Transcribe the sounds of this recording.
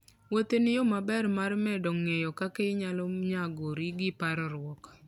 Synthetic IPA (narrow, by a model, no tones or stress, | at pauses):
wot̪enɪjomabɛrmarmɛdɔŋejɔkakeɲalɔɲaɡoɾiɡɪpaɾɔɾwɔk